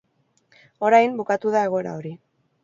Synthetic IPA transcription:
o̞ɾajmbukat̪uðae̞ɣ̞o̞eɾa̰o̞ɾi

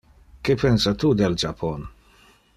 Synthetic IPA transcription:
kepɛnsat̪ud̪eld͡ʒapʰɔn

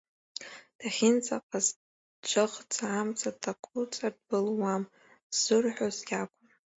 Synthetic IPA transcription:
d̥aχʲɪnt͡sʼaqʼaz | d͡ʒʷaχt͡sʰaːmt͡sʼʰatʰakʷʼut͡sʼad̚bɨlwam | z̥ɨrħʷᶣozjʲakʷʼʊn

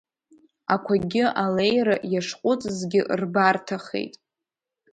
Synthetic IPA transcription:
akʷʰaɡʲɪalejrajaʂqʷʼʊt͡sʼzɡʲɪʔrbartʰaχḛjtʼ

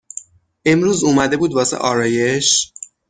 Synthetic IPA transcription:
ʔemɾuːzuːmæd̪e̞buːd̪vɒːsḛʔɒːɾɒːje̞ʃ

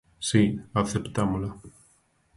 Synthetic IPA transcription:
siaθept̪amola

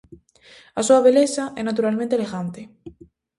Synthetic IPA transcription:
asuaβelesaʔɛnat̪̬uɾalmẽnt̪eleɣant̪e

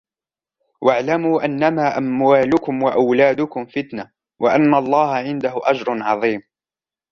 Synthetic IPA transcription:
waʕlamuːʔanːamaːʔamwaːlʊkʊmwaʔawlaːd̪ʊkʊmfɪt̪na | waʔanːalˤːɑːɦaʕɪnd̪aɦʊʔad͡ʒɾˤʊnʕɑðˤiːm

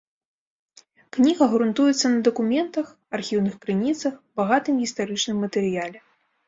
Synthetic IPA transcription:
knʲiɣɐɣɾunt̪ujɛt̪sːɐnɐd̪ɐkumʲɛnt̪ɐx | arxʲiwnɨxkɾɨnʲit̪sɐxbaɣat̪ɨmɣʲist̪aɾɨt͡ʂnɨmːɐt̪ɛɾɨjalʲɛ

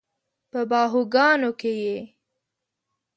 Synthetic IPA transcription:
pəbɑɦuɡɑnokeje

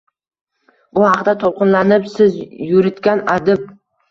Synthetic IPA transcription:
bʊhɑqd̪at̪ʰolˠqɨnlanɪpsɪzjʊɾɪt̪kʲanad̪ɪp̚

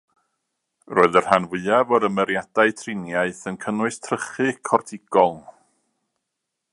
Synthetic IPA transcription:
roːɨðər̥hanvɨavɔɾəməɾjad̥aɨtʰrɪnjaɨθənkʰənwɨstʰrəχɨkʰɔrtʰɪɡ̥ɔlˠ

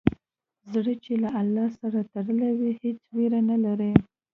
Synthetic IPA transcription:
zɽət͡ʃelaʔalːɑsaɾat̪aɽəlawihet͡sweɾanalaɾə

